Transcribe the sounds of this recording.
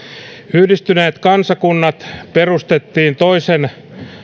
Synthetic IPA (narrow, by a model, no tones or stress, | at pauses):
yhdist̪yneːt̪kɑnsɑkunːɑt̪perust̪et̪ːiːnt̪oisen